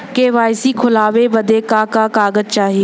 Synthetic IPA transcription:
keʋaːɪsikʰʊlaːʋebɐd̪ʱekãːkãkaːɡəd͡ʒt͡ʃaːɦi

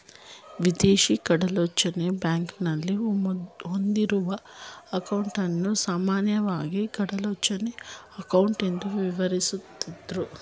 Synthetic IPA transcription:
ʋid̪eːʃikɐɽɐlot͡ʃːɐnebjaːŋknɐlːi | ond̪iɾuʋɐːkɐwuɳʈɐnːusaːmaːnjɐʋaːɡikɐɽɐlot͡ʃːɐneɐkɐwuɳʈend̪uʋiʋɐɾisut̪id̪ɾu

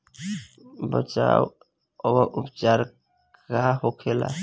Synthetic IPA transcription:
bə̰t͡ʃaw | əbəʔupt͡ʃaɾ | kaɦokʰela̰

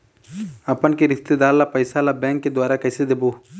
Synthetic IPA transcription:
ɐpənkeɾɪst̪ed̪aːlːapəjsalabɛ̃ːŋkːed̪waːɾakɐːsed̪eboː

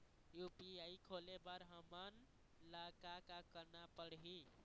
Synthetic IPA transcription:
jupiaikʰolebəɾɦəmən | lakakakəɾnapəɽɦi

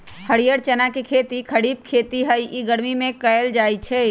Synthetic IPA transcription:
həɽijəɽt͡ʃənakekʰet̪ikʰəɽib̚kʰet̪iɦəjʔiɡəɽmimẽkəjld͡ʒajt͡ʃʰɛ

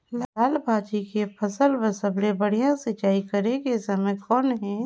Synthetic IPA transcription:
laːlbʱaːd͡ʒikepʰɐsəlbəsəbɽebɐɽ̤ijãsɪt͡ʃaːikɐɾekesɐmə̃kɔːnɦɛ̃ː

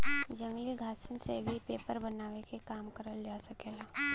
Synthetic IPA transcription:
d͡ʒɐmliɡʱaːsənsebʱipeːpəɾbɐnaːʋekekaːmkəɾəld͡ʒaːsɐkeːlaː

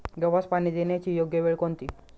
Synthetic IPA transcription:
ɡəʋaspañiːd̪enjat͡ɕiːjoɡjəʋeɭkont̪iː

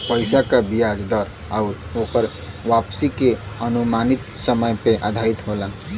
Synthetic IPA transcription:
pəɪsakabijad͡ʒd̪əɾ | auɾokəɾ | ʋapsikeənumanit̪səməjpeʔa̰d̪ʱait̪ɦola

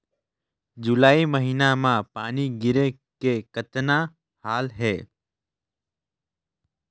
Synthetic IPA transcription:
d͡ʒʊlaːiməɦiːnamãːpaːniɡɪɾe | kekət̪nã | haːlɦeː

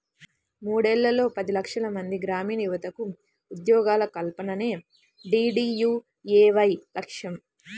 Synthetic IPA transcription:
muːɽɛlːɐlo̞ːpɐd̪ilɐkʂɐlɐmɐnd̪iɡɾaːmiːnɐjuʋɐt̪ɐku | ud̪jɔːɡaːlɐkɐlpɐnɐne̞ː | ɖiːɖiːjuː | eːʋɐjlɐkʂjɐm

